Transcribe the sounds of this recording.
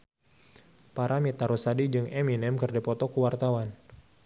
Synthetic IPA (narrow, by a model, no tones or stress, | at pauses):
paɾʔamit̪aɾusadid͡ʒɨŋɛminɛmkərdapɔt̪ɔkuwart̪awan